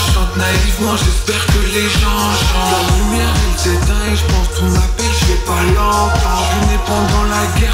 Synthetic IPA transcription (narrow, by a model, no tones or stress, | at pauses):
ʒəsɑ̃t̪naivmɑ̃ʒɛspɛʁkəleʒɑ̃ | sɑ̃lalymjɛʁɛlsɛt̪ɛ̃eʒəpɑ̃skɔ̃napɛlʒɛpalɑ̃tã | ɔ̃nɛpɑ̃d̪ɑ̃laɡʲɛʁ